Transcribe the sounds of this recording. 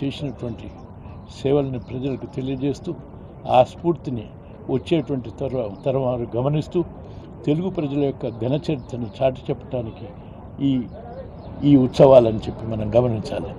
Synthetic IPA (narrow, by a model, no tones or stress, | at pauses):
t͡ʃeːsinɐʈuʋɐɳʈi | sɛːʋɐlɐnipɾɐd͡ʒɐlɐkut̪e̞lijɐd͡ʒe̞ːst̪uː | aːspuːɾt̪ini | ʋɐt͡ʃːeːʈuʋɐɳʈit̪ɐɾɐt̪ɐɾɐʋaːɾuɡɐmɐnist̪uː | t̪e̞luɡupɾɐd͡ʒɐlɐjɔkːɐɡ̪ʱɐnɐt͡ʃɐɾit̪ːɐnut͡ʃaːʈi̥t͡ʃɛpːɐ̥ʈaːnikiː | iːut̪sɐʋaːlɐnit͡ʃe̞pːimɐnɐmɡɐmɐniɲt͡ʃa̰ːli